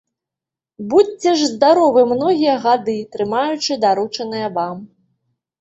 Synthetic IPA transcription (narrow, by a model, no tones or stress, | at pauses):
but͡sʲɛʐzd̪aɾɔvɨmnɔɣʲijɐɣad̪ɨt̪ɾɨmajut͡ʂɨd̪aɾut͡ʂɐnɨjɐvam